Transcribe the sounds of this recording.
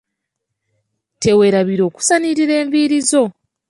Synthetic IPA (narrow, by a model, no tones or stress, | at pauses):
te̞we̞ɾaβiɾo̞ːku̥saniɾiɾe̞ːɱviɾizo̞